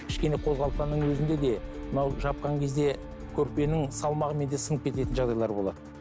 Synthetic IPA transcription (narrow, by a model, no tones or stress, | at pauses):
kʲʰɪ̥ʃkʲe̞ne̞qʰo̞zʁɑlˠsɑnəɴwɵzɪnd̪e̞d̪e̞mənɑwʒɑp̚qɑŋkʲʰe̞zd̪e̞ | kʲʰɵɾpe̞nɪŋsɑlˠmɑʁəme̞nd̪esənəp̚kʲʰe̞t̪e̞t̪ɪnʒɑʁd̪ɑjlˠɑɾbo̞lˠɑ̰d̪ə